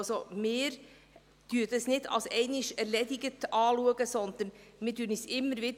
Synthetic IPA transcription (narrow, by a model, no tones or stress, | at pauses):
someːɾ | d̥yːdɛsnɪtʰɑ̰lsɛɪnɪʃɛɾleːd̪ɪɡətʔɑːluəɡəsɔnd̪̥ənmɪːd̥yːɾnɪçsɪmːəɾʋɪd